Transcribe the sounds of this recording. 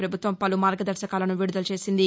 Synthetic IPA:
pɾɐbʱut̪ʋɐmpɐlumaːɾɡɐd̪ɐɾsɐkaːlɐnuʋiɽud̪ɐlt͡ʃe̞ːsind̪i

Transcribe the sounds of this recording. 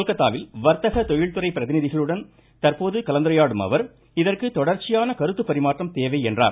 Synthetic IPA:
lkɐt̪ːaːʋɪlʋɐɾt̪ɐɣɐt̪ɔjɪɭt̪ɯɾɐɪpːɪɾɐðɪnɪðɪɣɐɭɯɽɐn | t̪ɐrpoːðɯkɐlɐnd̪ɐɾɐjaːɽɯmɐ̰ʋɐɾ | ɪðɐrkɯt̪ɔɽɐɾt͡ʃːɪjaːnɐkɐɾɯt̪ːɯpːɐɾɪmaːʈrɐmt̪eːʋɐɪɛndra̰ːɾ

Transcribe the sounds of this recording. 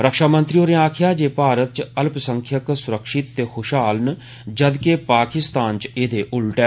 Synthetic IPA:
ɾəkʃaːmə̃nt̪ɾioːɾeːaːkʰɪjaːd͡ʒeːpaːɾət̪̚t͡ʃəlpsəŋkʰjəksʊɾəkʃɪt̪ːeːkʰʊʃaːln | d͡ʒəd̪keːpaːkɪst̪aːnt͡ʃeːd̪eːʔʊlʈɛː

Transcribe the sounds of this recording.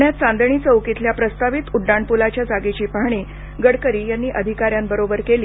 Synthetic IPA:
ɳjat̪t͡sãnd̪əɳiːt͡səwkit̪ljapɾəst̪aʋit̪uɖːaɳpulat͡ɕjad͡zaɡet͡ɕiːpaɦɳ̃i | ɡəɽkəɾiːjanːiːʔəd̪ʱikaɾjambəɾobəɾkeliː

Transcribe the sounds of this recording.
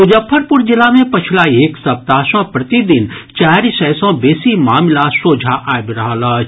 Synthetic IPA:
ʊd͡ʒəpʰːəɾpʊɾd͡ʒɪlamẽpɐt͡ʃʰlaeːksɐp̚t̪aːsɔ̃pɾɐt̪id̪ɪnt͡ʃaːɾisɛːsɔ̃beːsimaːmlasoːd͡ʒʱaʔaːjbɪɾɐɦaːla

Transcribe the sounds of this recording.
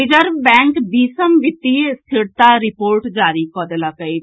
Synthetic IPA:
id͡ʒəɾbɛ̃ːŋkbiːsəmʋɪt̪ːist̪ʰɪɽt̪aɾɪpoːɾʈd͡ʒaːɾikɔːd̪elakəi

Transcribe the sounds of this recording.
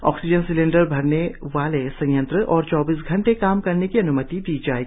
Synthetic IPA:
ɔ̰ːksɪd͡ʒənsɪlẽːɳɖəɾbʱɐɾneʋaːlesɐ̃jə̃nt̪ɾəʔɔːɾt͡ʃɔːbiːs̬ɡʱɐ̃ɳʈekaːmkɐɾnekiɐnʊmət̪id̪iːd͡ʒaːeːɡi

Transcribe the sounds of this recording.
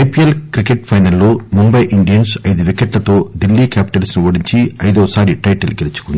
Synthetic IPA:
ɐjpielkɾikeʈ̚pʰɐjnɐlːoːmumbɐjʔiɳɖijɐnsɐjd̪uʋikeʈlɐt̪o̞ːd̪ilːiːkaːpi̥ʈɐlsnuʋɐɽiɲt͡ʃiɐjd̪oːsaːɾiʈɐjʈɐlɡelit͡ʃu̥kund̪i

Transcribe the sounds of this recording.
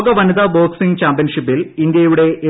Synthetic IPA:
ɡɐʋɐnɐðɐbo̞ːksiŋɡt͡ɕaːmpijɐnʂipːilind̪jɐjuɽe̞e

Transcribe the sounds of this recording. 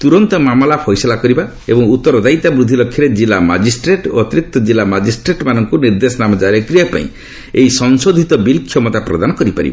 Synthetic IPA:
t̪uɾɔnt̪ɔmamɔlapʰɔjsɔlakɔɾiba | ebɔŋut̪ːɔɾɔd̪ajt̪abɾud̪ʱilɔkʰːjɔɾed͡ʒilama̰d͡ʒisʈɾeʈo̰ɔt̪iɾik̚t̪ɔd͡ʒilːamad͡ʒisʈɾeʈmanɔŋkuniɾd̪esɔnamɔd͡ʒaɾekɾijapa̰ḭ̃ | ejsɔnsod̪ʱit̪ɔbilkʰjɔmɔt̪apɾɔd̪anɔkɔɾipaɾḭba̰

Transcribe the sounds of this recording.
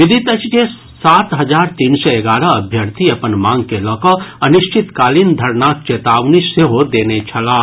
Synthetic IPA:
ʋɪd̪ʱit̪ət͡ʃd͡ʒe | saːt̪ɦɐd͡ʒaːɾt̪iːnsɔeɡaːɾəɐbʱjəɾt̪ʰiɐpənmãːŋɡkelɔːkɔɐniʃt͡ʃʰɪt̪kaːlind̪ʱɐɾnaːk̚t͡ʃeːt̪aːʋniseɦod̪eːnet͡ʃʰɐlaː

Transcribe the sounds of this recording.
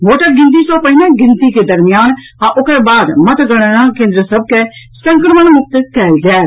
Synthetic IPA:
ʋoːʈəɾɡɪ̃nt̪isopɐɦɪnãɡɪ̃nt̪iked̪ɐɾmɪjaːn | ãʔʊkɾebaːd̪mɐt̪ɡɐɽ̃əɾãkẽːnd̪ɾəsɐb̚ke | sə̃ŋkəɾməɽ̃mʊk̚t̪kɛːld͡ʒɛː

